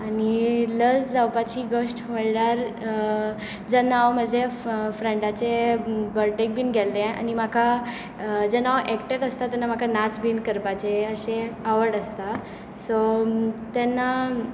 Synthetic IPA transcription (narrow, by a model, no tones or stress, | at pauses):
aniləsd͡zawpat͡ɕiːɡəɕʈʋəɭɽaɾ | d͡zanaʋməd͡ʑʱefɾẽɳɖat͡sebəɾʈek̚bʱiːnɡʱɛlːea̰nim̤akʰa | d͡zanaʋʔɛkʈet̪əst̪at̪ɛnːam̤akʰanat͡sbinkəɾpat͡ɕeəɕeaʋəɾɽəst̪a | sot̪ɛnːa